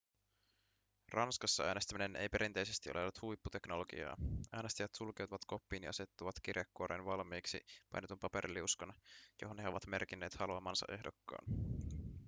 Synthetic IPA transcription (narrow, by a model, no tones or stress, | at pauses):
rʔɑnskɑsːɑæːne̞st̪æmine̞nʔḛjpe̞ɾint̪e̞jse̞st̪iʔolʔelːut̪hujpːut̪e̞knoloɡḭɑ̰ːæːne̞st̪æjæt̪sulk̟e̞wt̪uʋɑt̪ko̞pːiːnjʔɑse̞t̪ːuʋɑt̪k̟irjɑkːuoɾenʋɑlmiːksḭpɑ̰jnet̪umpɑpe̞ɾʔilːiuskɑnjo̞ɦonheo̞ʋɑt̪me̞rkinːe̞ːt̪hɑluɑmɑnsɑ̰ʔe̞ɦdokːɑ̰ːn